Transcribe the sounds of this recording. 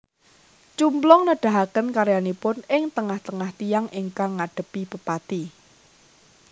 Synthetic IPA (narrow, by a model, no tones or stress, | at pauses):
t͡ʃumblɔŋnəɖ̥a̤ɦakənkaɾjanipʊnɪŋt̪əŋaht̪əŋaht̪ijaŋɪŋkaŋːaɖ̥ə̤pib̥əpat̪i